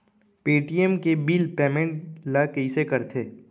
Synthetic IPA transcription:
piːʈiemkebiːlpɛːmẽɳʈlakɐisekɐɾt̪ʰeː

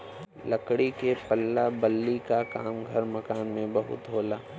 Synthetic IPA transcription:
lɐkɽikepɐlːabɐlːikakaːmɡʱɐɾmɐkaːnmẽbɐɦʊ̰t̪ɦoːlaː

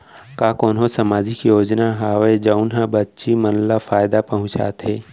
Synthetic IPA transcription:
kaːkoːnɦõsəmaːd͡ʒɪkjoːd͡ʒnaɦaːwed͡ʒəʊnɦãbətːʃimənlafaːjd̪apəɦʊ̃t͡ʃa̰ːt̪ɦeː

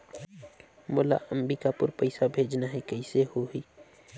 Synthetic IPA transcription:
moːla̰ʔəmbikapʊ̰ɾpəɪsabʱeːd͡ʒnaɦɛkəisehoɦi

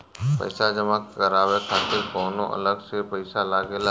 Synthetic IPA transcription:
pə̰ɪsad͡ʒəmakːəɾaːʋekʰaːt̪ɪɾkɔːnõʔɐ̰ləɡsepəɪsalaːɡela

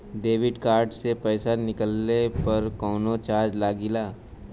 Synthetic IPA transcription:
ɖeːʋɪɖkaːɾɖsepɛːsanɪkəlnepɐɾkɔːnot͡ʃaːɾd͡ʒlaːɡɪlaː

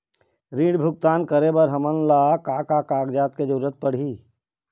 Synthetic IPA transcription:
ɾĩːɽbʱʊɡ̚t̪aːnkəɾebəɾɦɐmənlaːkaːkakaːɡd͡ʒaːt̪ked͡ʒʊɾət̪̚pəɽ̤iː

